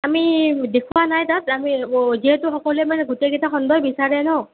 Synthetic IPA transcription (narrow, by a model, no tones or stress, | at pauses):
amidekʰuwanajtatamiziɦɛtʊxɔkɔluɛmanɛɡutekitaxɔndɔjbisaɹɛnɔ